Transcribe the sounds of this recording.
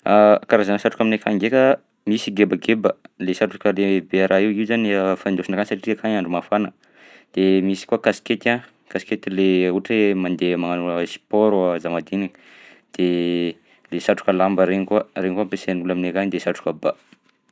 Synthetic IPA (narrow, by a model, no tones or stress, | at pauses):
akaɾazanəsaʈ͡ʂukaminekʰaŋɡekə | misiɡebəɡebəlesaʈ͡ʂukəlebeaɾʔaiwiwzaniəfand̪osinakanisaʈ͡ʂiʈ͡ʂiakaɲaɳɖ͡ʐumafanə | d̪̥emisi̥kuakasi̥ket̪ã | kasi̥ket̪ileuʈ͡ʂemand̪emaŋanusi̥pɔɾzamad̪inin | d̪̥e | lesaʈ͡ʂu̥kəlambəɾeɲikuaɾeɲikuampeseniulaminekanid̪esaʈ͡ʂu̥kaba